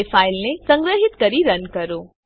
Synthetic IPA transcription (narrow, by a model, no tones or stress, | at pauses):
efailnesə̃ŋɡɾəɦɪt̪kəɾiɾənkəɾo